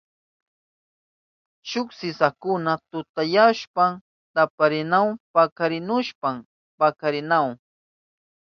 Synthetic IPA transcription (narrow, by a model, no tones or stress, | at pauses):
t͡ʃʊksɪsakʊnat̪ʊt̪ajaʃpam | t̪apaɾɪnawpakaɾɪnʊʃpam | pakaɾɪnaw